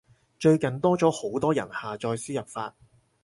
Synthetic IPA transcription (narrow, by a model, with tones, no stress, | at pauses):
t͡ʃɵ˧ɥkɐ˨nt̪ɔː˥t͡sɔː˨˥ho˨˥wt̪ɔː˥jɐ̰˨˩nhaː˨t͡ʃɔː˧jsiː˥jɐ˨p̚faː˧t̚